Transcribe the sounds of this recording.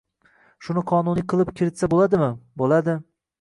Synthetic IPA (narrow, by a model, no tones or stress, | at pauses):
ʃʊnɪqʰɒnunijqʰɨlˠɪpkʲʰɪɾɪt̪sabolˠad̪ɪmɪbolad̪ɪ